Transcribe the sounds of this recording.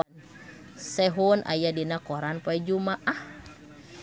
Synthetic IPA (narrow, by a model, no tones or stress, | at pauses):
n | sɛɦunʔa̰jadinakɔɾanpaɛd͡ʒumaʔah